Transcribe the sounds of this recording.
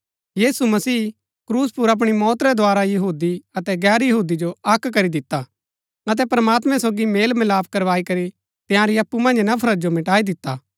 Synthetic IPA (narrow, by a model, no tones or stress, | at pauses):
jiːsumɐsiː | kɾuːspʊɾɐp̬ɽ̃imɔːt̪ɾɛd̪ʱoaːɾajɐɦuːd̪iɐt̪ɛɡɛːɾjɐɦuːd̪id͡ʒoɐkkɐɾid̪ɪt̪ːa | ɐt̪̬ɛpɾɐmaːt̪mɛ̃soːɡimeːlmɪlaːp̚ʰkɐɾʋaːikɐɾi | t̪ɪjãɾiɐpːumɐ̃nd͡ʒnɐpʰɐɾɐd͡ʒomɪʈaːid̪ɪt̪ːaː